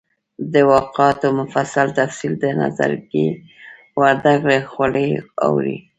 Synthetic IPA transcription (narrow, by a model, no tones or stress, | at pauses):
d̪əwɑqɑt̪omʊfasalt̪afsild̪əna̰za̰ɾɡe | waɾd̪aɡɽexaləa̰wɾḭ